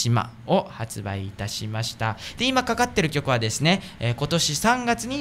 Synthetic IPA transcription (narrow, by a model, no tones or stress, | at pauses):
ima̰ | o̞hat͡sɨba̰iːt̪aɕimaɕi̥t̪ad̪̥e̞imakakat̪ːe̞ɾɯ̟kʲo̞kɯ̟βad̪e̞sɨne̞ | ko̞t̪o̞ɕisãŋɡat͡sɨɲ̟i